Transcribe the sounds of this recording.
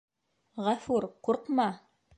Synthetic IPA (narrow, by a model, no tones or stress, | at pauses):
ʁæfuɾquɾqmɑ